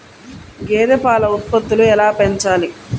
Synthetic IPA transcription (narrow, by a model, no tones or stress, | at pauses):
ɡeːd̪epaːlɐut̪̚pɐd̪ːuluɛlaːpeɲt͡ʃaːli